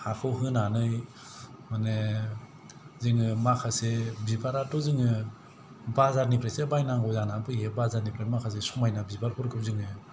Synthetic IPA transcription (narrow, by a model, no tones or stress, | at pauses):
hakʰɯwɦɯnanɯj | mane | zɯŋɯmakʰasebibaɾatɔzɯŋɯ | bazaɾnipʰɾesebajnaŋɡɔzanabɯɦebazaɾnipʰɾamakʰas̬esɔmajnabibaɾhʰɔɾkʰɯp̚zɯŋɯ